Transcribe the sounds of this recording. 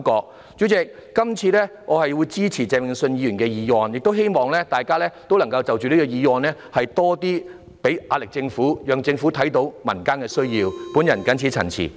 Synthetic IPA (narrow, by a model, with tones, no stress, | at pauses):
kɔː˧k̚ | t͡ʃy˨˥t͡sɪ˨˧k̚ːɐ˥mt͡sʰiː˧lɛː˥ŋʔɔː˨˧hɐ˨jwu˨˧jt͡siː˥t͡sʰiː˨˩t͡sɛː˨mɪ˨ŋsɵ˧njiː˨˧ɥyː˨˩nkɛː˧jiː˨˧ŋwɔː˨njɪ˨k̚t̪o˥wɦe˥jmɔː˨ŋlɛː˥t̪aː˨˩jkaː˥lɛː˥t̪o˥wlɐ˨˩ŋkɐ˧wt͡sɐ˨wt͡ʃyː˨˧liː˦˥kɔ˧jiː˨˧wɔː˨nlɛː˥hɐ˨jt̪ɔː˥t̪iː˥ | pe˨˥jaː˧lɪ˨k̚t͡sɪ˧ŋfuː˨˥jœː˨ŋt͡sɪ˧ŋfuː˨˥t̪ʰɐ˨˥jt̪o˨˥wmɐ̰˨˩nkaː˥nkɛː˧sɵ˥ɥjiː˧wpu˨˥njɐ˨˩nkɐ˨˥nt͡sʰi˨˥t͡sʰɐ̰˨˩nt͡sʰḭ˨˩